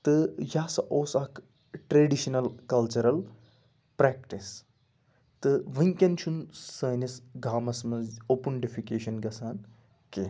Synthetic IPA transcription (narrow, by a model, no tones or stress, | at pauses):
t̪ɨjaːsɐʔoːsɐk | ʈɾeɖiʃɐnɐlkɐlt͡ʃɐɾɐl | pɾɛːkʈis | t̪ɨʋɨŋkʲɐnt͡ʃʰunsɐːnisɡʱaːmɐsmɐzoːpuɳɖifʰikeːʃɐnɡɐsaːn | ke